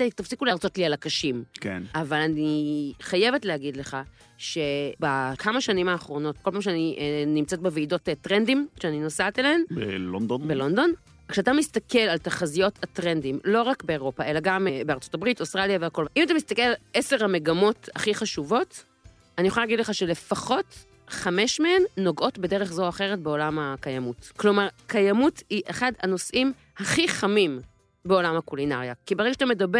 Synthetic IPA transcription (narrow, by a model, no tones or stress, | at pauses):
tt̪afsikulaːʁt͡so̞t̪lialakaʃimkenʔavalaniχaje̞vetlehaɡid̪le̞χa | ʃe̞bakʰamaʃanimaːχʁo̞no̞t̚kolpamʃ̬eaninimt͡set̚beveido̞ttʁendimʃeaninosat̪eleenbelond̪onbelond̪o̞n | kʃeatamist̪akʰe̞lalt̪aχazijo̞tat̪ʁe̞ndimlo̞ʁakbe̞eʁo̞pae̞laɡambeaʁt͡so̥tabʁitostʁaljaveako̞lʔimatamist̪akelaleseʁhame̞ɡamo̞taχiχaʃuvo̞t | anijoχoalaɡidleχaʃe̞le̞faχo̞t | χameʃmehenːo̞ɡʔo̞tbe̞deʁeχzoaaχe̞ʁetbeo̞lamakajamutklo̞maʁkajamutiʔeχadano̞sʔim | haχiχamim | beo̞lamhakulinaʁjakibeʁeɡaʃt̪ame̞dabe